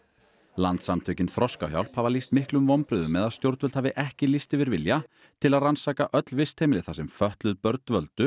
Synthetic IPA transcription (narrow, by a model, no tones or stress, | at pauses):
lant̪samt̪ʰœːɥcɪnθɾɔskawçja̰wlphavalist̪mɪhklʏmvɔmpɾʏðʏmːɛðaðst̪jowɾt̪vœlt̪havðɪʔɛhcɪlist̪ɪvɪɾvɪlja | t̪ʰɪlaðransaːkaʔœt̪lvɪst̪ʰejmɪlɪθasɛmfœht̪lʏðpœɾt̪vœlt̪ʏ